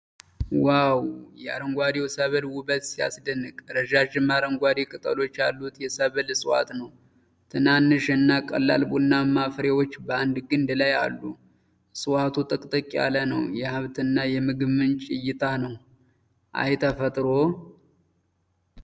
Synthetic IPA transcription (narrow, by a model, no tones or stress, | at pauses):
wawjɛa̰ɾəŋɡʷad̪ewsəβɨlwʊbət̪sija̰sd̪ənːɨkʼɾəʒaʒɨmːaɾəŋɡʷad̪ekʼɨt̪ʼə̰lo̞t͡ʃːja̰lːut̪jɛsəβɨlɨsʼɨwa̰t̪nəw | t̪ʰɨnanːɨʃɨnːakʼə̰lːa̰lbunːamafɾewot͡ʃːbəand̪ɡɨnd̪laja̰lːu | sʼɨwat̪ʰut̪ʼɨkʼt̪ʼəkʼa̰lənəwjɛhaβt̪ʰɨnːajɛmɨɡmɨnt͡ʃʼɪjːɪt̪ʰanəw | ʔa̰jt̪ʰəfət̪ʼɾo̞